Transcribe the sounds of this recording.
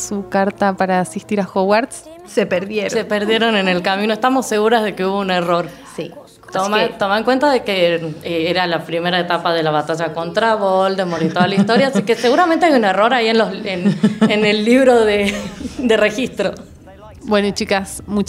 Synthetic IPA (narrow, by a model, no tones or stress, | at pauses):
sukaɾt̪apaɾaːsist̪iɾaxowaɾt̪s | sepeɾðjeɾssepeɾð̞jeɾo̞nenelkamĩnoest̪amo̞sːeɣuɾazð̞e̞keuβo̞unero̞ɾ | si | t̪omat̪omaŋkwe̞nt̪aðe̞keeeɾalapɾime̞ɾaet̪apaðe̞laβat̪aʒako̞nt̪ɾaβold̪emoɾit̪oðalaist̪oɾjaːsikeseɣuɾamẽnt̪eajunero̞ɾaienloenenelːiβɾo̞ðed̪ere̞xist̪ɾo | bwenoit͡ʃikasmut͡ʃ